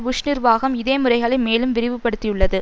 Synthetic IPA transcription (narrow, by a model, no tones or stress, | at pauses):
ʋʊʂnɪɾʋaːɣɐmɪðeːmɯrɐɪɣɐɭɪmeːlɯmʋɪɾɪʋɯpːɐɽɯt̪ːɪjɯɭːɐðɯ